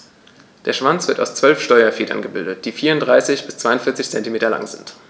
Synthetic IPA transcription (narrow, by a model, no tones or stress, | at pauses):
d̥eːɐʃv̥ant͡sv̥ɪta̰ʊst͡sv̥œlfʃtɔʏɐfeːdɐ̰nɡəbɪldət̚d̥iːfiːɐʊntd̥ʁaɪsɪçb̥ɪst͡sv̥aɪʊnfɪɐt͡sɪçt͡sɛntimeːtɐla̰ŋzɪnt